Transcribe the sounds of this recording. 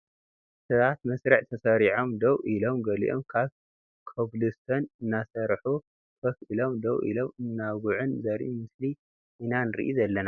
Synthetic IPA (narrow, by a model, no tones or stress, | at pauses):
sɨtat̪mɐsɾɐʕt̪ʰɐsɐɾiʕo̞md̪ɐwʔilo̞mɡɐlḭʔo̰mkʰaβ | kʰoblɨst̪ʰonɨnːasɐɾħu | fʰɐfʔɨlomd̪ɐwʔḭlo̞mɨnːaɡuʕunzɐɾʔimɨsli | ʔɨnanɨɾḭʔizɐlːɐna